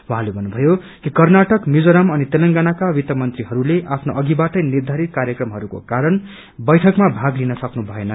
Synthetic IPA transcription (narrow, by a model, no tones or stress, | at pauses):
waɦãlebʱʌnːubʱʌjo | kikʌrnaʈʌkmid͡zoɾʌmʌnit̪elʌŋɡanakawit̪jʌmʌnt̪riɦʌɾuleʔapʰnoʔʌɡibaʈʌjnird̪ʱaɾit̪̚kaɾjʌkrʌmɦʌɾuko̰kaɾʌn | bʌjʈʰʌkmabʱaɡlinʌsʌknubʱʌenʌ